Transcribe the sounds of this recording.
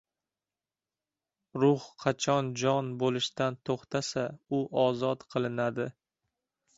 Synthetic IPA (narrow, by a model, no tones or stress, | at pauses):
ɾʊhqʰɑt͡ʃʰɒnd͡ʒɒnbolˠɪʃt̪ant̪ʰoχt̪ʰasaʊʔɒzɒt̪qʰɨlˠɪnad̪ɪ